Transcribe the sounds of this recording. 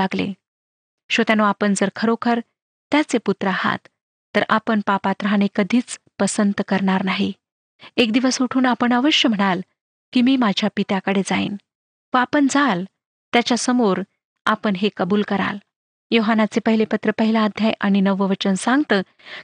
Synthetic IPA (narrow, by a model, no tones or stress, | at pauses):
aɡlḛ | ɕət̪janoapəɳd͡zəɾkʰəɾokʰəɾ | t̪jat͡seput̪ɾəaha̰t̪ː | əɾʔapəɳpapat̪ɾəɦañekəd̪ʱiːt͡spəsənt̪kəɾɳaɾnaɦi | ekd̪iʋəsuʈʰuːnapəɳəʋəɕjəm̤əɽ̃al | kiːmiːmad͡ʑʱjapit̪jakəɽed͡zaḭn | ʋəapəɳd͡zal | t̪jat͡ɕjasəmoɾ | apəɳɦekəbuːlkəɾa̰l | joɦanat͡sepəɦilepət̪ɾəpəɦilaːd̪ʱjajʔaɽ̃inəʋəʋət͡ɕənsãŋɡt̪əː